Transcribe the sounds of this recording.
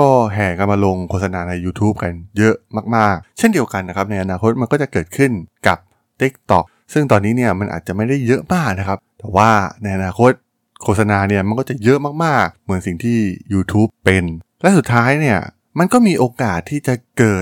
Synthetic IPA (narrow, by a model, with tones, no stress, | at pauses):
kɔː˥˩ɦɛː˨˩ka˧nmaː˧lo˧ŋkʰoː˨˩sa˧naː˧na˧jːuː˧t̪ʰuː˦˥p̚ka˧njɤ˦˥ʔmaː˥˩k̚maː˥˩k̚t͡ɕʰe˥˩ndi˧əwka˧nːa˦˥kʰa˦˥p̚na˧jʔa˧naː˧kʰo˦˥t̪̚ma˧nkɔː˥˩t͡ɕa˨˩kɤː˨˩t̪̚kʰɯ˥˩nka˨˩p̚ | t̪i˦˥k̚t̪ɔ˨˩k̚ | sɯ˥˩ŋt̪ɔː˧nːiː˦˥ni˥˩ɐma˧nʔa̰ː˨˩t̪̚t͡ɕa˨˩ma˥˩jda˥˩jːɤ˦˥ʔmaː˥˩k̚na˦˥kʰa˦˥p̚t̪ɛː˨˩waː˥˩na˧jʔa˧naː˧kʰo˦˥t̪̚ | kʰoː˧˩t̪̚sa˧naː˧ni˥˩ɐma˧nkɔː˥˩t͡ɕa˨˩jɤ˦˥ʔmaː˥˩k̚maː˥˩k̚mɯ˩˦nsi˨˩ŋt̪ʰiː˥˩juː˧t̪ʰuː˦˥pːe˧nlɛ˦˥su˨˩t̪ʰːaː˦˥jni˥˩ɐ | ma˧nkɔː˥˩miː˧ʔoː˧kaː˨˩t̪ʰːiː˥˩t͡ɕa˨˩kɤː˨˩t̪̚